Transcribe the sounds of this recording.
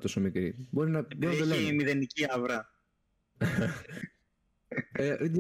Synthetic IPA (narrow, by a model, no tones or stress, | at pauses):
t̪o̞somikɾibo̞ɾinɐboɾinɐelemiðeniciɐvɾɐ | e